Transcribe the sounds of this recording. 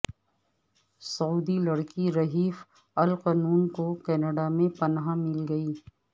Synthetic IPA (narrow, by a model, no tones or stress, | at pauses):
sɐuːd̪ilɐɽkiɾɐɦiːf | ɐlqanuːnkokɛːnəɖamẽpɐnɦamɪlɡɐiː